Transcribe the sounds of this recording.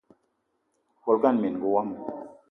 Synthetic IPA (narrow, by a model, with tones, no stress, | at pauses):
ko˧lka˦nmi˨nɡu˧wa˦m˨